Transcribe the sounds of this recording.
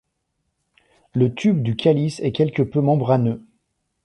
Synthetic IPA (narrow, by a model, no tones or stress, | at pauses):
lət̪ʰybd̪ykʲʰalisɛkʲɛlkəpømɑ̃bʁanø